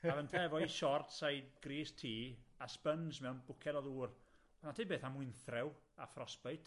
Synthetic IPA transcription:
avənpʰɛvɔiʃɔrtsajdɡ̥riːstʰiːaspənsmɛwnbʊkʰɛdɔðuːr | ɔnatʰibeːθamʊɨnθrɪwafrɔspɛjtʰ

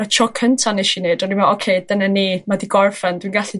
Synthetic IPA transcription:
atʰɔkʰəntʰaneʃineːdɔnimɛokʰejdənaniːmadiɡɔrfɛndwinɡaɬi

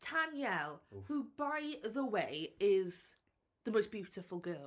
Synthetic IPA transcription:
tʰanjɛlˠhubaɪðəweɪɪz̥ | ðəmoʊsb̥jʉˑtɪfəlˠɡɜːl

